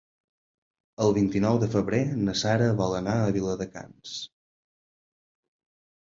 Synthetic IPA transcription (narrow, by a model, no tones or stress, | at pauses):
əlˠβint̪inɔwðəfəβɾenəsaɾəβɔlˠənaəβ̞iləðəka̰ns